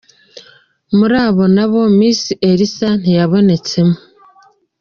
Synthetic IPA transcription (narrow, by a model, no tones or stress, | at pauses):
muɾaːβo̞naβo̞miːsiʔe̞ɾisan̥ijaβo̞ne̞t͡se̞mu